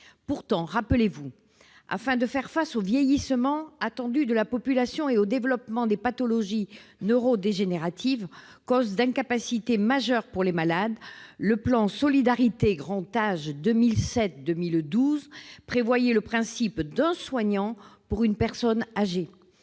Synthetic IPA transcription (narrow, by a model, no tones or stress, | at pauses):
puʁt̪ɑ̃ʁapəlevu | a̰fɛ̃d̪əfɛʁfasovjɛjisəmɑ̃at̪ɑ̃d̪yd̪əlapɔpylasjɔ̃eod̪evlɔpmɑ̃d̪epat̪ɔlɔʒinøʁod̪eʒeneʁat̪ʰiv | kɔzd̪ɛ̃kapasit̪emaʒœʁpuʁlemalad̪ləplɑ̃sɔlid̪aʁit̪eɡʁɑ̃t̪aʒd̪əmilsɛt̪̚d̪əmild̪uzpχevwajeləpχɛ̃sipd̪ɛ̃swaɲɑ̃puʁynpɛʁsɔnaʒe